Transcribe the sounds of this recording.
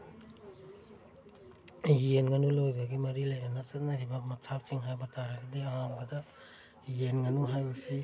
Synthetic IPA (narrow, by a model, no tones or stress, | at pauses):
jenŋɐnulojbɐɡimɐɾilɐjɐnɐsɐt̚nɐɾibɐmɐtʰappʰiŋɦajbɐtaɾɐɡideɐhaŋbɐdɐ | jenŋɐnuɦajbɐsi